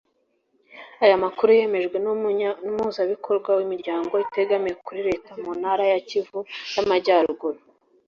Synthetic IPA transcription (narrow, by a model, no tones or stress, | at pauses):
ajamakuɾuje̞me̞ʒɡwenumhuzaβikʰo̞ɾɡwawimiɾɟaːŋɡo̞ite̞ɡamijekuɾiɾe̞ːtamunhaɾajacivujamaɟaɾuɡuɾu